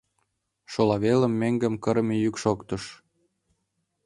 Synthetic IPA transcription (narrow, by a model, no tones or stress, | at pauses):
ʃolɑβelə̆mːeŋɡə̆mkə̆ɾmejykʃokt̪ɤ̆ʃ